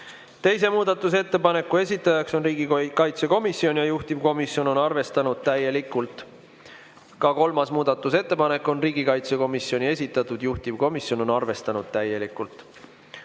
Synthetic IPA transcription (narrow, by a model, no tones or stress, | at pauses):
t̪e̞js̬e̞muːd̪̥ɑt̪ːˑus̬e̞t̪ːe̞pɑne̞kːˑue̞s̬ʲit̪ːˑɑjɑkso̞nriːɡikɑjt̪se̞ko̞misjo̞nʲjɑjuht̪ivko̞misjo̞no̞nɑrve̞st̪ɑnud̪̥̚t̪æje̞likːˑult̪ˑ | kɑko̞lmɑsmuːd̪̥ɑt̪ːˑus̬e̞t̪ːe̞pɑne̞kːˑo̞nriːɡikɑjt̪se̞ko̞misjo̞nʲie̞sʲit̪ːˑɑt̪ːˑud̪̥juht̪ivko̞misjo̞no̞nɑrve̞st̪ɑnud̪̥̚t̪æje̞likːˑult̪ˑ